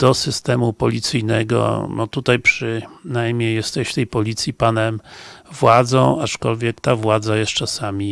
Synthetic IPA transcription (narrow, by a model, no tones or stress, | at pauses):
d̪̥ɔsɘst̪ɛmupɔlʲit̪sɘjnɛɡɔ̰nɔt̪ut̪ajpʂɘnajmɲejːɛst̪ɛɕt̪ɛjpɔlʲit̪sʲjipanɛmvwad̪zɔ̃w̃at͡ʂkɔlvʲjɛk̚t̪avwad̪zajɛst̪t͡ʂasamʲi